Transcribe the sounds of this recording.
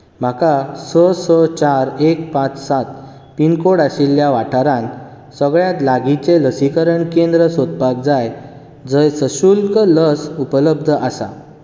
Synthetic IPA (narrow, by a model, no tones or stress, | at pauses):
m̤akasɔsɔt͡ɕaɾek̚pãt͡ssat̪̚ | pinkoɽaɕilːjaʋaʈʰaɾãn | səɡɭjãt̪laɡit͡seləsikəɾəɳkend̪ɾəsod̪̚pak̚d͡zaj | d͡zəjsəɕulkələsupələb̚d̪ʱəʔasa̰